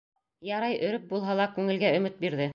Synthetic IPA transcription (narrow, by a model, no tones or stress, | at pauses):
jɑɾɑjɵ̆ɾɘp̚bulˠɦɑlˠɑkʉŋɘ̆lɡæɵ̆mɘt̪̚biɾðɘ